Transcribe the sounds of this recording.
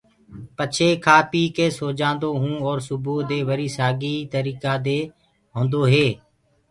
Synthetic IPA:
pət͡ʃʰeːkʰaːpiːkeːsoːd͡ʒãːnd̪oːɦũːɔːɾsʊboːd̪eːʋəɾiːsaːɡiːt̪əɾiːkaːd̪eː | ɦõːnd̪oːɦeː

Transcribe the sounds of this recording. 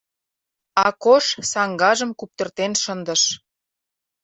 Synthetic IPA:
ɑkoʃsɑŋɡɑʒə̆mkup̚t̪ə̆rt̪enʃənd̪ə̆ʃ

